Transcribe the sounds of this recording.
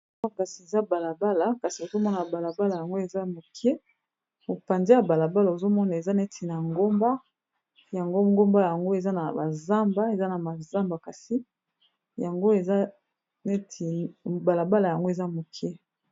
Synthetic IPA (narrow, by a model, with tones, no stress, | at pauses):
ka˨si˨e˨za˦ba˨la˨ba˦la˨ka˨si˨o˨zo˦mɔ˦na˨ba˨la˨ba˦la˨ja˨ŋɡo˦e˨za˦mo˨kʰi˦ɛ˦ | o˨pa˨nze˦ja˨ba˨la˨ba˦la˨o˨zo˦mɔ˦na˨e˨za˦ne˦tʰi˨na˨ŋɡo˦mba˦ | ja˨ŋɡo˦ŋɡo˦mba˦ja˨ŋɡo˦e˨za˦na˨ba˨za˦mba˦e˨za˦na˨ma˨za˦mba˨ka˨si˦ | ja˨ŋɡo˦e˨za˦ | ne˦tʰi˨ba˨la˨ba˦la˨ja˨ŋɡo˦e˨za˦mo˨ki˦ɛ˦